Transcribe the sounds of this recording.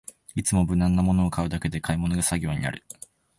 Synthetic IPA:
it͡sɨmo̞bɯ̟nãnːamo̞no̞ːkaɯ̟d̪ake̞d̪e̞kaimo̞no̞ɡasaɡʲo̞ːɲ̟ḭna̰ɾɯ̟

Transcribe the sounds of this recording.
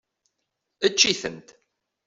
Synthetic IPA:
ət͡ʃːiθə̰nt̪

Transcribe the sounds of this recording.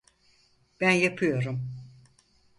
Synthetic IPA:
b̥ænjapʰɯjo̞ɾum

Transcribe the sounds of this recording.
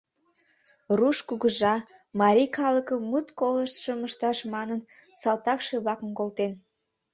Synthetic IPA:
ruʃkuɣəʒɑ | mɑɾʲikɑləkəːut̪koləʃt̪ʃəməʃt̪ɑʃmɑnən | sɑlt̪ɑkʃe̽βlɑkəmkolt̪en

